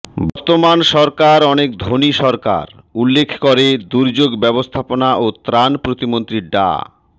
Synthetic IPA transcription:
bɔɾt̪omanʃɔɾkaɾɔnek̚d̪ʱoniʃɔɾka̰ɾ | ulːekʰkoɾed̪uɾd͡ʑoɡbɛbost̪ʰaponaʔot̪ɾanpɾot̪imont̪ɾiɖa̰

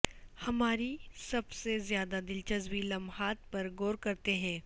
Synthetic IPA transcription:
hɐmaːɾisɐbsezjaːd̪ad̪ɪlt͡ʃɐzwilɐmhaːt̪̚pɐɾɡoːɾkɐɾt̪eɦɛ̃ː

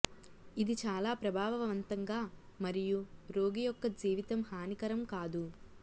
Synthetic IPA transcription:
id̪it͡ʃaːlaːpɾɐbʱaːʋɐʋɐʋɐnt̪ɐŋɡaːmɐɾijuɾo̞ːɡijɔkːɐd͡ʒiːʋit̪ɐmhaːnikɐɾɐmkaːd̪u

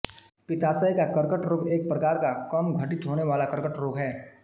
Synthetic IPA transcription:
pɪt̪aːsəikakɐɾkəʈɾoːɡeːk̚pɾɐkaːɾkakɐmɡʱɐʈɪt̪ɦoːneʋaːlakɐɾkəʈɾoːɡɦɛː

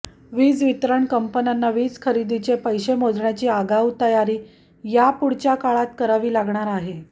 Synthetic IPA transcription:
ʋiːd͡zʋit̪ɾəɳkəmpənjanːaʋiːd͡zkʰəɾid̪it͡ɕepəjɕemod̪ɳjat͡ɕiːaɡawt̪əjaɾiː | japuɽt͡ɕjakaɭat̪̚kəɾaʋiːlaɡɳ̃aɾaɦe

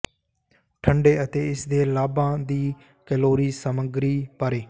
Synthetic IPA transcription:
ʈʰəɳɖeːət̪eːɪsd̪eːlaːbãːd̪iː | kəloːɾiːsəməɡɾiːpəɾeː

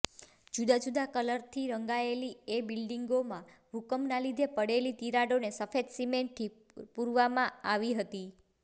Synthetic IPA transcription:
d͡ʒud̪ad͡ʒud̪akələɾt̪ʰiɾəŋɡaeliebilɖiŋɡomã | ʋukəmnalid̪ʱepəɽelit̪iɾaɖonesəfed̪simeɳʈt̪ʰːi | puɾʋamãaʋiɦət̪i

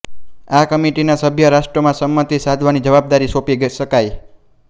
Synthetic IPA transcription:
akəmiʈinasəbʱjəɾaʃʈɾəmãsəmːət̪isad̪ʱʋanid͡ʒəʋab̚d̪aɾisopiɡʃəkaj

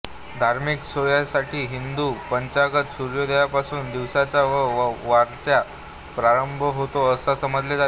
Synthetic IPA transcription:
d̪ʱaɾmiksojasaʈʰiːɦind̪uːpəɲt͡ɕaɡət̪suɾjod̪əjapasuːnd̪iʋsat͡ɕjaʋaɾt͡sja | pɾaɾəmbʱəɦot̪oəsasəməd͡zled͡za

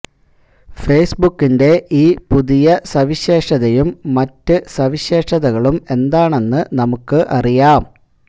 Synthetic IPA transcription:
feːsbukːinde̞ʔiːpuðijɐsɐʋiɕe̞ːʂɐðɐjumːɐtːɨsɐʋiɕe̞ːʂɐðɐɣɐɭume̞nd̪aːɳe̞nːɨnɐmukːɨʔɐrijaːm

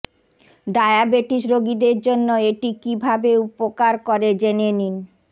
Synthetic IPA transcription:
ɖaeabeʈiʃɾoɡid̪eɾd͡ʑonːoeʈikibʱabeupokaɾkoɾed͡ʑenenin

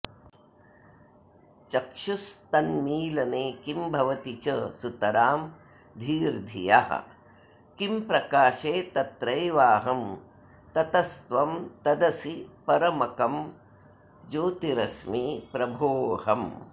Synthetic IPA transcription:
t͡ʃɐkʂust̪ɐnmiːlɐneːkimbʱɐʋɐt̪it͡ʃɐsut̪ɐɾaːm | d̪ʱiːɾd̪ʱḭja̰ɦɐ̰ | kimpɾɐkaːʃeːt̪ɐt̪ɾɐjʋaːɦɐm | t̪ɐt̪ɐst̪ʋɐmt̪ɐd̪ɐsipɐɾɐmɐkɐm | d͡ʒoːt̪iɾɐsmipɾɐbʱoːhɐm

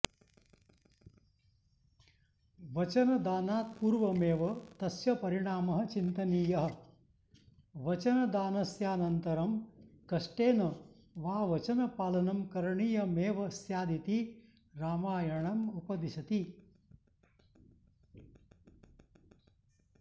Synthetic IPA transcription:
ʋɐt͡ʃɐnɐd̪aːnaːt̪̚puːɾʋɐmeːʋɐt̪ɐsjɐpɐɾiɳaːmɐɦɐ̆t͡ʃint̪ɐniːjɐɦɐ̆ | ʋɐt͡ʃɐnɐd̪aːnɐsjaːnɐnt̪ɐɾɐmkɐʂʈeːnɐ | ʋaːʋɐt͡ʃɐnɐpaːlɐnɐmkɐɾɐɳijɐmeːʋɐsjaːd̪it̪i | ɾaːmaːjɐɳɐmupɐd̪iʃɐt̪i

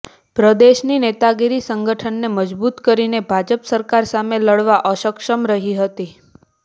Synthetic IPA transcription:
pɾəd̪eʃninet̪aɡeɾisəŋɡəʈʰənːeməd͡ʒbut̪kəɾinebʱad͡ʒəpsəɾkaɾsameləɽʋaʔəʃəkʃəmɾəɦiɦət̪i

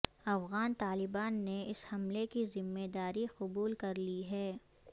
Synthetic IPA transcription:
ɐfɣaːnt̪aːlɪbaːnːeɪshɐmlekizɪmːeːd̪aːɾiqʊbuːlkɐɾliɦɛː

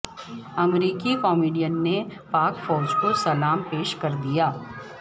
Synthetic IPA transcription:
ɐmɾiːkikɔːmiːɖijənːepaːkfɔːd͡ʒkosɐlaːmpeːʃkɐɾd̪ijaː

